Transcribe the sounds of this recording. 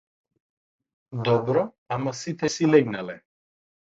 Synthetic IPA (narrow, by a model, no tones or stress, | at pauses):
d̪ɔbɾɔ | amasit̪ʰɛsilɛɡnalɛ